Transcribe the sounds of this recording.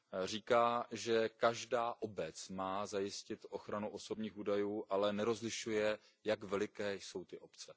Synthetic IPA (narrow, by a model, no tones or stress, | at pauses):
r̝iːkaːʒɛkaʒdaːʔo̞bɛt͡smaːzajɪscɪt̪ʔo̞xɾanuʔo̞so̞bɲiːxuːdajuːʔalɛnɛɾo̞zlɪʃujɛ | jakvɛlɪkɛːjso̞wt̪ɪʔo̞pt͡sɛ